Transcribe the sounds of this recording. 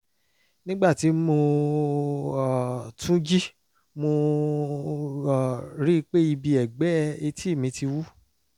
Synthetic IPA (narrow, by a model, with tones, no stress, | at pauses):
nĩ˦ɡ͡ba˦˨ti˨˦mo˧˨ | tũ˦d͡ʒi˦ | mo˧˨ | ɾi˦˧k͡pe˦i˧bi˧ɛ˨ɡ͡bɛ˨˦˧e˧ti˦i˦˨mĩ˨˦ti˧wu˦